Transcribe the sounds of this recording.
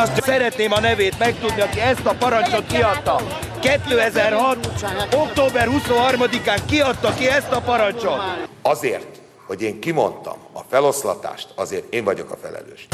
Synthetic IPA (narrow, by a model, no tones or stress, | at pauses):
ɒst̪sɛɾɛt̪neːmɒnɛveːt̪mɛk̚t̪ud̪niɒkiɛst̪ɒpɒɾɒnt͡ʃo̞t̪kiɒt̪ːɒ | kɛt̪ːøːɛzɛrɦɒt̪o̞kt̪oːbɛrhusoɦɒrmɒd̪ikaːŋkiɒt̪ːɒkiɛst̪ɒpɒɾɒɲt͡ʃot̪ɒzeːrt̪ | ho̞ɟeːŋkimo̞̰nt̪ɒ̰mɒfɛlo̞slɒ̰t̪a̰ːʃt̪ɒzeːrt̪eːɱvɒɟo̞̰kɒfɛ̰lɛ̰løːʃ